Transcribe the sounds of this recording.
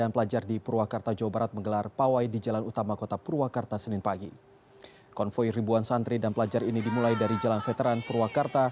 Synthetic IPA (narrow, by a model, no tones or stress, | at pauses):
anpəlad͡ʒardipuɾuakart̪ad͡ʒaobaɾat̪̚məŋɡəlarpawajdid͡ʒalanut̪amakot̪apuɾuakart̪asənɪnpaɡi | kɔnfɔiribuansant̪ɾidanpəlad͡ʒarinidimulajdaɾid͡ʒalanfət̪eɾanpuɾuwakart̪a